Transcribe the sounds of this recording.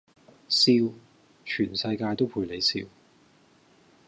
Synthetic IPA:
siː˧w | t͡ʃʰyː˨˩nsɐ˧jkaː˧jt̪o˥wpʰuː˧jle˨˥jsḭː˧w

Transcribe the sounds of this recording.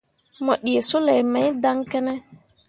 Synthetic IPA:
mɔ˨ɗi˨e˨su˦lɛ˨jmɛ˨˦jda˦ŋkɛ˦nɛ˦

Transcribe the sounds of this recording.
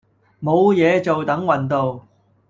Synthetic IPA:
mo˨˧wjɛː˨˧t͡so˨wt̪ɐ˨˥ŋwɐ˨˩nt̪o˨w

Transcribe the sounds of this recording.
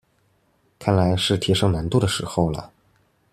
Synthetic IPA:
kʰa˥˩nla˧˥ɪʂɻ̩˥˩t̪ʰi˧˥ʂɤ˧˥˩ŋna˧˥nt̪u˥˩d̪ə˩ʂɻ̩˧˥xo˥˩ʊlə̰˩

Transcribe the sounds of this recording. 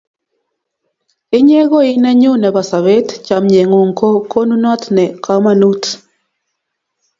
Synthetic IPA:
ɪ˦ɲe˦ɡo˦ɪ˦nɛ˦ɲʊ˦nɛ˨ba˨sa˨βe˦tt͡ʃa˨mɲe˨ŋo˨ŋkʰo˦ko˦nu˦nɔ˦tnɛ˨kʰa˦ma˦nu˦t

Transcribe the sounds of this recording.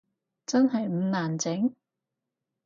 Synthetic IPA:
t͡sɐ˥nɦɐ˨jm̩˨˧˥naː˨nt͡sɪ˨˥ŋ

